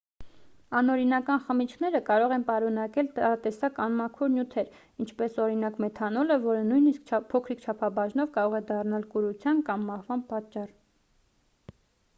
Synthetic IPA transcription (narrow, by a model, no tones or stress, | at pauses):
ɑnɔɾinɑkɑnχəmit͡ʃʰnɛɾəkɑɾɔʁɛnpɑɾun̪ɑkɛlt̪ɑɾɑt̪ɛsɑkɑnmɑkʰɔɾnjut̪ʰɛɾ | int͡ʃʰpɛsɔɾin̪ɑkmɛt̪ʰɑnɔləvɔɾənujniskpʰɔkʰɾikʰt͡ʃʰɑpʰɑbɑʒnɔvkɑɾɔʁɛd̪ɑrnɑlkuɾut͡sʰjɑnkɑmːɑhvɑnpɑt͡ʃːɑr